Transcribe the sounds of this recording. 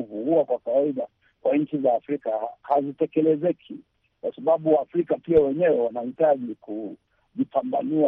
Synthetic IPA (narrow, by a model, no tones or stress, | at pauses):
vuuakwakawaiɗa | kwaɲ̩t͡ʃizaːfɾikahazitɛkɛlɛzɛkʰi | kwasaɓaɓuwaːfɾikapiawɛɲɛwɛwanahitaʄiku | ʄipamba̰nia